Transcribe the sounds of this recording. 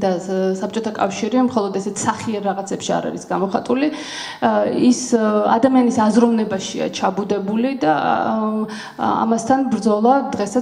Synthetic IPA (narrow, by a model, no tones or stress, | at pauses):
d̪asap̚t͡ʃʼɔt̪ʰakʼafʃiɾiamχɔlˠɔd̪ɛsɛt̪ʰsaχiɛɾɾaʁat̪sʰɛpʃia̰ɾa̰ɾisɡamɔχat̪ʼuli | isa̰d̪amianisazɾɔvnɛbaʃia̰t͡ʃʰabud̪ɛbulid̪a | a̰mast̪ʰanbɾd̪zɔlˠad̪ʁɛsa